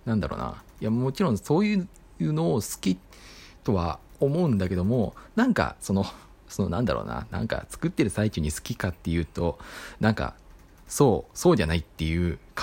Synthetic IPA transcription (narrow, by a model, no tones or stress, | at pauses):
nãnd̪a̰ɾo̰ːna̰ | jamo̞t͡ɕiɾõ̞ɰ̃so̞ːjɯ̟ | jɯ̟ːno̞ːsɨ̥kʲi | t̪o̞βa̰omo̞ɯ̃nd̪ake̞d̪o̞mo̞nãŋka̰so̞no̞ | so̞no̞nãnd̪a̰ɾo̰ːna̰nã̰ŋka̰t͡sɨ̥kɯt̪ːe̞ɾɯ̟sait͡ɕɨɲ̟isɨ̥kʲikat̪ːe̞jɯ̟ːt̪o̞nãŋka̰ | soːso̞ːʑanait̪ːe̞jɯ̟ːka